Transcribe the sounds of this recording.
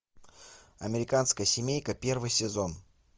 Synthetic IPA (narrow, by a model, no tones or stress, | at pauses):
ɐmʲɪɾʲɪkanskəjəsʲɪmʲejkəpʲe̞rvɨjsʲɪzo̞n